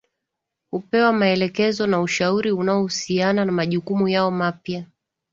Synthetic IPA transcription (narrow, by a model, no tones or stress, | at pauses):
hupɛwamaɛlɛkɛzɔnauʃauɾiunaɔhusiananamaʄukumujaɔmapja